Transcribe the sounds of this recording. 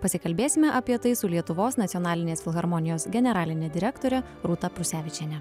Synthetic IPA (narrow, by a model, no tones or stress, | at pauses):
pɐsʲɪkɐlʲbʲeːsʲɪmʲɛʔɐpʲiɛt̪ɐɪsʊlʲiɛt̪ʊʋoːsnɐt̪ʲjɔnɑːlʲɪnʲeːsfʲɪlˠɣɐɾmɔnʲɪjoːsɡʲɛnʲɛɾɑːlʲɪnʲɛd̪ʲɪɾʲɛkt̪oːɾʲɛ | ɾut̪ɐpɾʊsʲæːʋʲɪt͡ʃʲɛnʲɛ